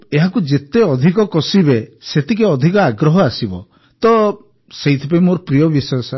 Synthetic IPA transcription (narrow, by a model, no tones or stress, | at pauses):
eɦakud͡ʒet̪eɔd̪ʱikɔkɔsibeset̪ʰikeɔd̪ʱikɔaɡɾɔɦɔasibɔ̰ | t̪ɔ | seɦit̪ʰipaimoɾɔpɾijɔbisasa